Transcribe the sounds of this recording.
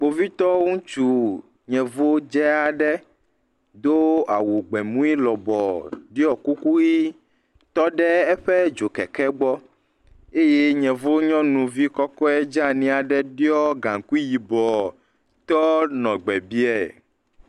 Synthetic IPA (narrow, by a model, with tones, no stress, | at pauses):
k͡po˨vi˦t̪ɔ˦ŋũ˦t͡ʃu˦˨ | ɲɛ̃˨vo˦d͡ʒɛ˦a˨ɖɛ˦ | d̪o˦a˨wu˨ɡ͡bɛ˨mũ˦i˦lɔ˨bɔ˨ɖi˦ɔ˨ku˦ku˦i˦ | t̪ɔ˦ɖɛ˦ɛ˦ɸɛ˦d͡ʒo˨kɛ˨kɛ˦ɡ͡bɔ˦ | e˦je˦ɲɛ̃˨vo˦ɲɔ̃˦nũ˨vi˦kɔ˦kɔ˦ɛ˦d͡ʒa˦nĩ˦a˨ɖɛ˦ɖi˦ɔ˦ɡã˨ŋku˦ji˨bɔ˨ | t̪ɔ˦nɔ̃˨ɡ͡bɛ˨bi˦ɛ˨